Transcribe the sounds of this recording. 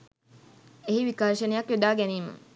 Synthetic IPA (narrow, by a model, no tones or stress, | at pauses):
eɦiʋikarʃənejakʋed̪aːɡɛniːmə̰